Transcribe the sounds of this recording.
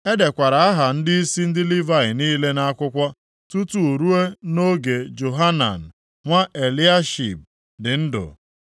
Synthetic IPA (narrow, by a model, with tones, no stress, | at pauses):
e˦de˨kʷa˨ɾa˨a˦ɦa˨n̩˦dɪ˦i˦si˦n̩˦dɪ˦li˦va˦ɪ˨niː˦le˦na˦a˦kʷʊ˦kʷɔ˦ | tu˦tu˦u˨ɾu˦e˦no˦ɡe˨d͡ʒo˨ɦa˦na̰˨n̩˨ | ŋʷa˦ʔe˨li˦a˦ʃḭ˨p̚ | dɪ˨n̩˦dʊ̰˨